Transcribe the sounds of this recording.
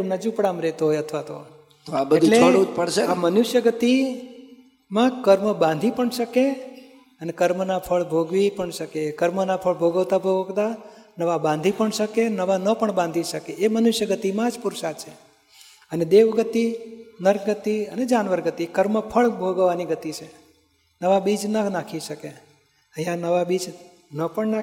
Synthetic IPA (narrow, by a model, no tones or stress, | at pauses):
mnad͡ʒupɽamɾɛt̪oɦojət̪ʰʋat̪o̰ | t̪ʰabəed̪ʱleoɽut̪pəɽʃeamənuʃjəɡət̪i | mãkəɾməbãnd̪ʱipəɳʃəke | ənekəɾmənapʰəɭbʱoɡʋipəɳʃəkekəɾmənapʰəɭbʱoɡəʋt̪abʱoɡt̪anəʋabãnd̪ʱipəɳʃəkenəʋanəpəɳbãnd̪ʱiʃəkeemənʊʃjəɡət̪imãd͡ʒpʊɾsat͡ʃʰe | əned̪eʋɡət̪inəɾkɡət̪iəned͡ʒanʋəɾɡət̪ikəɾməpʰəɭbʱoɡʋaniɡət̪it͡ʃʰe | nəʋabid͡ʒnənakʰiʃəke | əɦjãnəʋabid͡ʒ | nəpəɳna